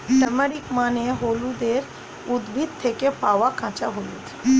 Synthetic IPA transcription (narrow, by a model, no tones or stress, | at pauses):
t̪ɐməɽikmaːnẽɦoːlud̪eːɾ | ʊd̪bʱit̪t̪ʰːeːkepaːʋakʰãːt͡ʃaɦoːlut̪ʰː